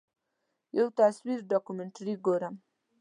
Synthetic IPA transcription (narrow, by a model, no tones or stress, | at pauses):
jawt̪aswiɾɖɑkumeɳʈɾiɡoɾam